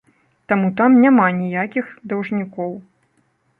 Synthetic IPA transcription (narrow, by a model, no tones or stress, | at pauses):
t̪amut̪amnʲamanʲijakʲixd̪ɐwʐnʲikɔw